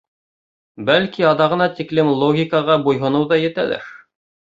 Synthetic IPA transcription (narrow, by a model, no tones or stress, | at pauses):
bælkiɑðɑʁɤ̆nɑt̪iklɘmlˠoɡʲikɑʁɑbujɦŏnɤwðɑjɘ̆t̪æ̰lɘ̰ɾ